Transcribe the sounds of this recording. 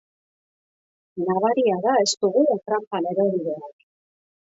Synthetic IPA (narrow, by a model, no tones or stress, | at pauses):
naβaɾiaðae̞st̪uɣut̪ɾampane̞ɾo̞ðiðeak